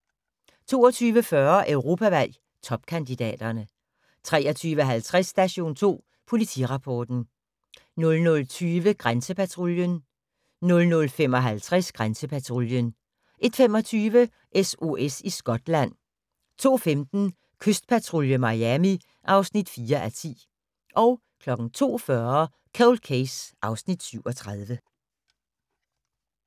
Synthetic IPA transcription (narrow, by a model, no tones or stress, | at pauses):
t͡sʰo̝̰ːɒt͡sʰyːʋəfɶɐʔøʊʁo̝ːpʰæʋæl̰ | t͡sʰɒ̽b̥kʰænd̥id̥ɛ̰ːd̥ɐnə | t͡sʰʁɛːɒt͡sʰyːʋəɦælt͡sʰʁasːd̥æɕo̝̰ːnt͡sʰo̝̰ː | pʰo̝lit͡sʰḭʁɑ̈pʰɒːd̥n̩ | nɔ̽lnɔ̽lt͡sʰyːʋəɡ̥ʁansəpʰæt͡sʰʁoljən | nɔ̽lnɔ̽lfem̰ɒ̽ɦælt͡sʰʁasɡ̥ʁansəpʰæt͡sʰʁoljən | ʔe̝d̥femɒ̽t͡sʰyːʋə | ʔeso̝ʔesisɡ̥ɒ̽d̥læn̰ | t͡sʰo̝̰ːfemd̥n̩ | kʰøsd̥̚pʰæt͡sʰʁo̝ljəmɑ̈æmi | ʔɑ̈ʊsnid̥fiːɐʔæt͡sʰḭː | ʔɒ̽ʊ | kʰlɒ̽ɡ̥n̩t͡sʰo̝̰ːfɶɐ | kʰælkʰesʔɑ̈ʊsnid̥syʊɒ̽t͡sʰʁað̞ˠʋə